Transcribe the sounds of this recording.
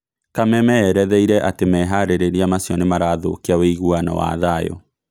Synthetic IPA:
kamɛmɛːɾɛðɛiɾɛʔatemɛɦaɾeɾeɾiamasjɔnemaɾaːðo̰keaweiɣuana̰wa̰ðajɔ̰

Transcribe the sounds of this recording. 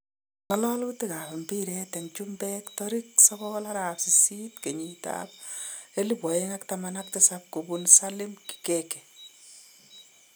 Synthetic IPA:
ŋalɔlutekapembiɾɛtɛŋt͡ʃumbɛktɔɾik̚sɔβɔlaɾapsisitkeɲita̰p̚elibwɔeŋaktamanak̚tɪsap̚kobunsalɪmki̥kekɛ

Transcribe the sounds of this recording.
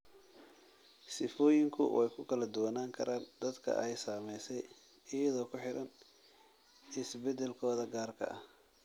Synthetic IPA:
sɪfɔːjɪŋkʰʊ̰wʔɛjkʰʊkʰɐlɐd̪ʊwɐnaːŋkʰɐɾʔaːnd̪ɐd̪kʰɐ̰ʔɛjsaːmɛjsɛj | ɪjɐðɔːkʰʊħɪɾɐn | ɪsbɛd̪ɛlkʰɔːðɐɡaːrkʰɐ̰ɐh

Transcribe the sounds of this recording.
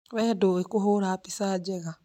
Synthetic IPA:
βɛdoekoɦoɾapisad͡ʒɛɣa

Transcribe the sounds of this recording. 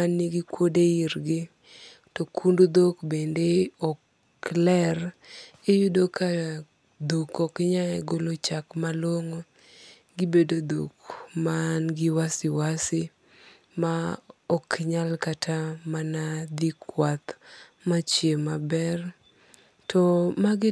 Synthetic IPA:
anːiɡikwodeiɾɡɪ | tɔkʰundud̪okbendeɔk | lɛr | ejudoka | d̪ukɔkɪɲaɛɡolot͡ʃakmalwoŋo | ɡɪbedod̪o̰kmanɡɪwasɪwasɪ | maɔkɲalkatʰamanad̪ikwat̪mat͡ʃjemabɛr | tʰɔmaɡɪ

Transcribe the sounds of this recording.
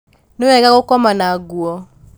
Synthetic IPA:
noɛɡaɣokɔmanaɡuɔ

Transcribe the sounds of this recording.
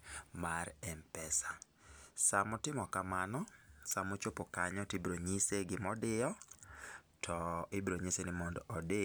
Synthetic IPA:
marɛmpɛsḁ | samɔtɪmɔkamanɔsamʊt͡ʃopokaɲɔtibɾoɲiseɡɪmɔdɪjɔ | tʰɔɪbɾoɲisenɪmɔndɔɔde

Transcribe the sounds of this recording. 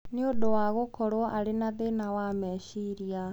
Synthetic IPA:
neodowaɣokɔɾɔʔaɾenaðenawamɛːɕiɾia

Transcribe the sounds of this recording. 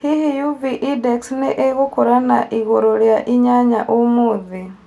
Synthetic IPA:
hihijuviʔideksneʔeɣukuɾanaʔiɣoɾoljaʔiɲaɲa̰ʔomuði

